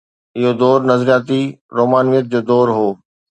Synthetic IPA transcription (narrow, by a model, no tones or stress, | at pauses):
ɪɦod̪ɔːɾnɐzɾijaːt̪iɾoːmaːnʋɪət̪̚d͡ʑoːd̪ɔːɾɦoː